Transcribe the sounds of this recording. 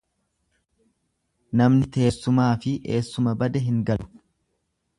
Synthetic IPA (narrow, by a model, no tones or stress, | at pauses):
nɐmnɪt̪e̞ːsːʊmaːfɪʔeːsːʊmɐbɐd̪ɛɦɪŋɡɐlʊ̥